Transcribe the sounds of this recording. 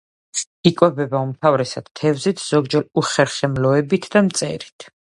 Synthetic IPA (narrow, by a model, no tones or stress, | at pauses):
ikʼwɛbɛbaumt̪ʰavɾɛsad̪̥t̪ʰɛvzit̪ʰz̥ɔɡd͡ʒɛɾuχɛɾχɛmlɔɛbit̪ʰd̪amt̪sʼɛ̰ɾit̪ʰ